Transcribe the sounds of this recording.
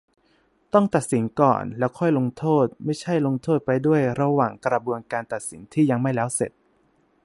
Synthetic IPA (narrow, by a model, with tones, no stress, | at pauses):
t̪ɔ˥˩ŋt̪a˨˩t̪̚si˩˦nkɔ̰ː˨˩nlɛː˦˥wkʰɔ˥˩jlo˧ŋt̪ʰoː˥˩t̪̚ma˥˩jt͡ɕʰa˥˩jlo˧ŋt̪ʰoː˥˩t̪̚pa˧jdu˥˩əjɾa˧waː˨˩ŋkɾa˧bu˧ənkaː˧nt̪a˨˩t̪̚si˩˦nt̪ʰiː˥˩ja˧ŋma˥˩jlɛː˦˥wsḛ˨˩t̪̚